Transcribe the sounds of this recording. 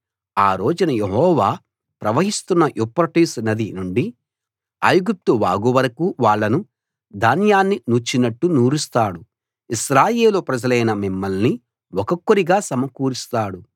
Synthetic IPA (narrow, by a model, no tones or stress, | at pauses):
aːɾoːd͡ʒunɐjeɦɔːʋaː | pɾɐʋɐɦist̪unːɐʔupːɾɐʈiːsnɐd̪inuɳɖi | ɐ̰jɡup̚t̪uʋaːɡuʋɐɾɐkuːʋaːɭːɐnu | d̪ʱaːnjaːnːinut͡ʃːinɐʈːunuːɾist̪aːɽu | iʃɾaːjeːlopɾɐd͡ʒɐlɐjnɐmimːɐlni | ɔkɐkːuɾiɡaːsɐmɐkuːɾist̪aːɽu